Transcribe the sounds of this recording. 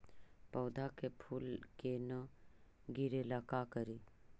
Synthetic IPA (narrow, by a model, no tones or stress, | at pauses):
pəːd̪ʱakepʰuːlkenə | ɡiɾelakakəɾi